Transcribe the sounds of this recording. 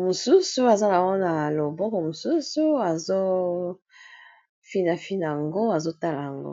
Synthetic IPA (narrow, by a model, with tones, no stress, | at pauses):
mo˨su˦su˦a˨za˦la˨ŋɡo˦na˨lo˨bɔ˦kɔ˨mo˨su˦su˨a˨zo˦ | fi˦na˨fi˦na˨a˨ŋɡo˦a˨zo˦ta˦la˨a˨ŋɡo̰˦